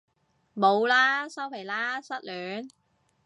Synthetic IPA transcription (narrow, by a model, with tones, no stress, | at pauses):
mo˨˧wlaː˥sɐ˥wpʰe˨˩jlaː˥sɐ˥t̚lœː˨˥ŋ